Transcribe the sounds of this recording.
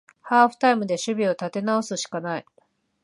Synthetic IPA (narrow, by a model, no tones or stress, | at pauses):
haːɸɯ̟̥t̪aimɯ̟d̪e̞ɕɨbʲio̞t̪at̪e̞nao̞sɨɕi̥kanai